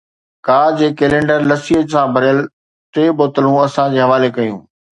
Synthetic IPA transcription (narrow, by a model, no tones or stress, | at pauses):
kaːd͡ʑeːkeːlẽːɳɖəɾlɐsiːɦəd͡ʑsãbʱɐɾjəl | t̪eːboːt̪əlũɐsãd͡ʑeːɦɐʋaːlekɐjṵ̃ː